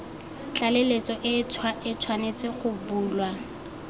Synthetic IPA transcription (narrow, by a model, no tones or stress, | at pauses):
t͡ɬʼalelet͡sʼɔʔɪɪt͡sʰwanet͡sʼɪχʊbuːlwa